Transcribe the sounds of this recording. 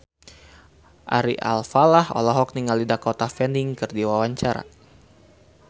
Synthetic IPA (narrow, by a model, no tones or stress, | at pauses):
ʔaɾiʔa̰lfalahɔ̰lɔɦɔk̚niŋaldidakɔt̪afɛndiŋkɨrdiwawaɲt͡ʃaɾa̰